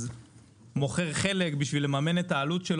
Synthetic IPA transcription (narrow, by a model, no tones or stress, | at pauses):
z | mo̞χe̞ʁχe̞lekbiʃvilemamenet̪aːlut̪ʃel